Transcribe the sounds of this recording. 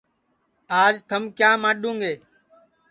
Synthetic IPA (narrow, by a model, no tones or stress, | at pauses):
aːd͡ʒt̪ʰəmkjaːmãːɗũːŋɡeː